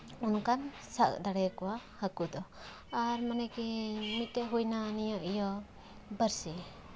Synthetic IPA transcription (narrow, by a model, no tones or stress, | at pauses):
unkan | sak̚d̪aɽɛkɔwahəkuʔd̪ɔ | aɾmanɛkɛmit̪̚ːɛɦujnanijɔʔijɔ | bəɾsi